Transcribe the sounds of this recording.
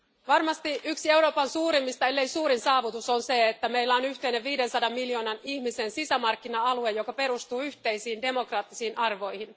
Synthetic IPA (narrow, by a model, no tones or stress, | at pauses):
ʋɑrmɑst̪iʔyksie̞uɾo̞ːpɑnsuːɾimːist̪ɑelːejsuːɾinsɑːʋut̪usonseet̪ːæmeilːæonyht̪eineʋʋiːde̞nsɑdɑmːiljo̞ːnɑnihmise̞nsisæmɑrkːinɑɑluejjokɑpe̞ɾust̪uːyht̪e̞jsiːnde̞mo̞krɑːt̪ːisiːnʔɑrʋo̞jhin